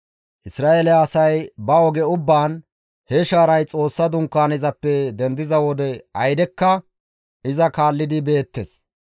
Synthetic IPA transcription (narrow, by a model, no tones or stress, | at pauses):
ʔɪsɾaːelɛːsɐjbɐɔɡɛʊbːaːn | hɛʃaːɾɐjt͡sʼo̞ːsːɐd̪ʊŋkːaːnɪzɐpːɛd̪ɛnd̪ɪzɐwɔd̪ɛɐjd̪ɛkːɐ | ʔɪzɐkaːlːɪd̪ɪbe̞ːt̪ːɛs